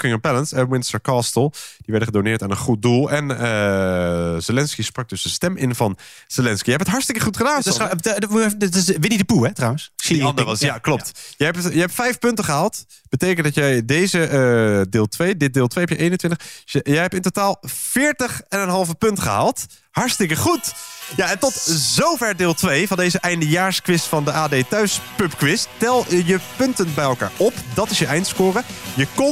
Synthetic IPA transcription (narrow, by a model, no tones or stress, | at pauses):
kɪŋənpɛlənsəmwɪnstəɹkaːstəlˠd̥iʋɛɹdəχədonɪːɹtaːnənχut̚dulˠɛnə | zɪlɛnskisprɑk̚dɵsəstɛmʔɪnvɑn | z̥elɛnskijɛɛpətɦɑɹtstɪkəχutχədaːns | ʋɪnidəpuɛtrawənsdiɑndəʋɑsjaklɔp̚tjəɛptjəɛp̚tfɛjfpɵntəχəɦaːlˠt | b̥ətejkəndɑtjɛjdejzədɪːlˠtʋejdɪt̚dɪːlˠtʋejɦɛpjəʔejnəntʋɪntəχjəjɦɛpɪntotaːlˠv̥ɪːɹtəχɛnənɦɑlˠvəpɵntχə̰ɦa̰ːlˠt | hɑɹstɪkəχutjaɛntɔtzowvɛɹdɪːlˠtʋejvɑndejzəʔɛjndəjaːɹskʋɪstfɑndəʔaːdejtœɥspɵpkʋɪsttɛlˠjəpɵntənbɛjɛlˠka̰ːɹʔɔpdɑtɪsjəʔɛjntskʊːrəjəkɔ